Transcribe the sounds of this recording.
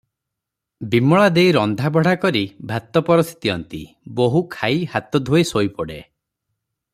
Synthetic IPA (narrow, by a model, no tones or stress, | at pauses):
bimɔɭad̪ejɾɔnd̪ʱabɔɽ̤akɔɾibʱat̪ɔpɔɾɔst̪ʰi̥t̪iɔnt̪ḭ | boɦukʰajhat̪ɔd̪ʱoesojpɔɽḛ